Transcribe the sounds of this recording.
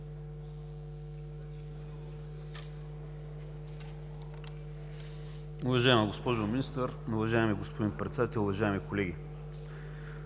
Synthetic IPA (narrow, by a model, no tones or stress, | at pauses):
ʊvɐʒaɛməɡospɔʒominist̪əɾnʊvɐʒaɛmiɡospod̪inpɾɛt̪sɛd̪ɐt̪ɛlˠʊvɐʒaɛmikolɛɡʲi